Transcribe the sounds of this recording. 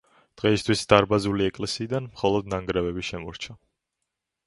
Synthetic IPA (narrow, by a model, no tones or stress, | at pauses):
d̪̥ʁɛist̪ʰwisd̪̥aɾbazuliɛkʼlɛsiːd̪anmχɔlˠɔd̪naŋɡɾɛvɛbiʃɛmɔɾt͡ʃʰa